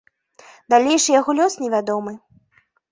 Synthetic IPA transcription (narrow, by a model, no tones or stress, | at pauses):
d̪alʲejʂɨjaɣɔlʲɔsnʲɛvʲad̪ɔmɨ